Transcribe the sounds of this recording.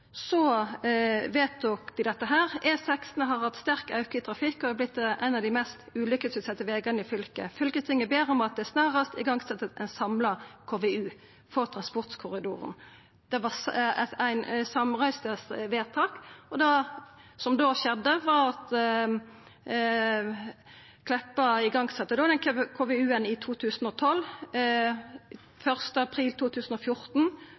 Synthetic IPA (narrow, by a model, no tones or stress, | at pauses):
sɔ | ʋeːt̪ukd̪ɪd̪ɛt̪ːəɦæːʁɛsɛksnəɦɑʁhɑt̪st̪æʁkɑʉkəɪt̪ʰɾɑfɪkːɔd̪ɛb̪lɪt̪ːʔæɪnɑd̪ɪmɛst̪ʉːlʏkːəsʋɪsɛt̪ːəʋeːɡɑnəɪfʏlkə̰fʏlkəst̪ʰɪŋːəbeːɾɔmɑt̪̚d̪ɛæsnɑːʁəst̪ɪɡɑŋɡsɛt̪ːət̪ɛ̰ɪnsɑmlɑkʰoːʋɛʉː | fɔʁt̪ʰʁɑnspɔʁt̪kʰʊʁɪd̪ṵːʁə̰n | d̪̥ɛʋɑsæɪnsɑmʁæɪst̪əsʋeːt̪ʰɑːkɔd̪ɑsɔmd̪oːʃɛd̪ːəʋɑʁɑt̪ | kʰlɛpːəɪɡɑŋɡsɛt̪ːəd̪oːd̪ɛnkkʰoːʋɛʉːənɪt̪ʰuːt̪ʰʉːsn̩ɔt̪ʰɔlː | fœʁst̪əɑpʰʁiːlt̪ʰuːt̪ʰʉːsən̩ɔfjʊʁt̪n̩